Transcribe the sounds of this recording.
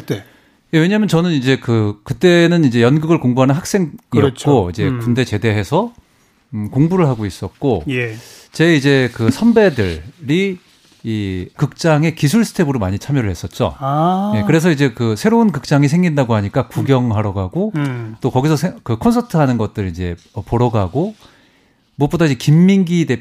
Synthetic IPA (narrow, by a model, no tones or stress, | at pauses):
te | jewe̞ɲaːmjʌnt͡ɕʌnɯnid͡ʑe̞kɯkɯt͈e̞nɯnid͡ʑe̞jʌnɡɯɡɯɭkoŋbuɦanɯnɦak̚s͈e̞ŋiʌt̚t͡ɕʰk͈oid͡ʑe̞kunde̞t͡ɕe̞de̞ɦe̞sʰʌ | koŋbuɾɯɭɦaɡois͈ʌt̚k͈ojt͡ɕe̞id͡ʑe̞kɯsʰʌnbe̞dɯɭɾiː | kɯk̚t͡ɕ͈aŋe̞kisʰuɭsʰɯ̥tʰe̞bɯɾomaɲit͡ɕʰamjʌɾɯɭhe̞s͈ʌt̚t͡ɕ͈o̰je̞kɯɾe̞sʰʌid͡ʑe̞kɯsʰe̞ɾounkɯk̚t͡ɕ͈aŋisʰe̞ŋɡindaɡoɦaɲik͈akuɡjʌŋɦaɾʌɡaɡot͈okʌɡisʰʌsʰekɯkʰʌnsʰʌtʰɯɦanɯnɡʌt̚t͈ɯɾid͡ʑe̞ | ʌpoɾʌɡaɡo | muʌp͈odaid͡ʑe̞kimːiŋɡide